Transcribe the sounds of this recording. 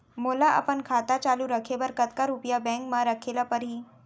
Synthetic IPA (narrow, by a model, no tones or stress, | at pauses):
molaʔa̰pəɳkʰat̪at͡ɕaluɾəkʰeʋəɾkət̪kaɾupjabɛ̃ŋkmaɾəkʰelapəɾɦiː